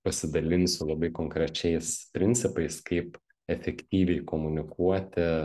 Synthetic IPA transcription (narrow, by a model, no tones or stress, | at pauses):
pɐsʲɪd̪ɐlʲɪnʲsʲʊlˠɐbɐɪkoːŋkɾʲɛt͡ʃʲɛɪspʲɾʲɪnʲsʲɪpɐɪskɐɪp | ɛfʲɛkt̪ʲiːʋʲɛɪkoːmʊnʲɪkuɔt̪ʲɪ